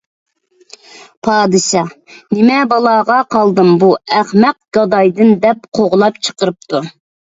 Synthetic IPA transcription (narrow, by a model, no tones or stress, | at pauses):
pʰɑːd̪ɨʃɑ | nɪmɛbɑlˠɑːʁɑqʰɑlˠd̪ɨmbuæχmɛq̚ɡ̥ɑd̪ɑjd̪ɨnd̪ɛp̚qʰoʁlˠɑpt͡ʃʰə̥qəɾɨp̚t̪ʰu